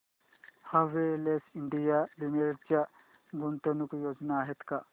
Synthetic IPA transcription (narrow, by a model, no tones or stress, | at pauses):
hawʋeɾlesiɳɖijalumeɾeʈt͡ʃja | ɡunt̪onukujoːd͡ʒnaːɦet̪ka